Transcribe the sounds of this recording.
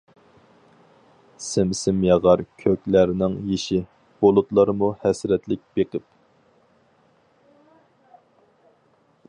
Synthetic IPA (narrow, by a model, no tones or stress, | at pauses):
sɪmsɪmjɑʁɑɾkʲʰøkʲlæɾnɪŋjiʃi | b̥olˠut̪lˠɑɾmuhɛsɾɛt̪lɪk̚ʲb̥eqɪp